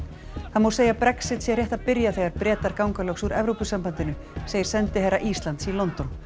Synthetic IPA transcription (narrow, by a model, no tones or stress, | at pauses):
θaðmowseːjapɾɛksɪt̪sjɛr̥jɛht̪aðpɪɾjaθeɣaɾpɾɛːt̪aɾkawŋkalœxsuɾɛvɾopʏsampant̪ɪnʏ | seːjɪɾ̥sɛnt̪ɪɦɛɾaʔiːst̪lant̪silɔnt̪ɔn